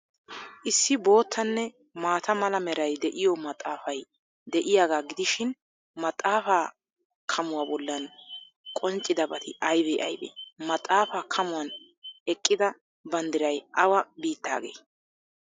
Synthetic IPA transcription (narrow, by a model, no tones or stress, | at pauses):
ʔɪsːɪbo̞ːt̪ʰːɐnːɛ | maːt̪ɐmɐlɐmɛɾɐjd̪ɛʔɪjɔmɐt̪ʼːaːfɐj | d̪ɛʔɪjaːɡaːɡɪd̪ɪʃɪn | mɐt̪ʼːaːfaː | kʰɐmʊwɐːbɔlːɐn | kʼɔnt͡ʃʼɪd̪ɐbɐt̪ʰɪʔɐjbɛʔɐ̰jbḛːmɐt̪ʼːaːfaːkʰɐmʊwɐn | ɛkʼːɪd̪ɐ | bɐnd̪ɪɾɐjʔɐwɐbiːt̪ːa̰ːɡḛː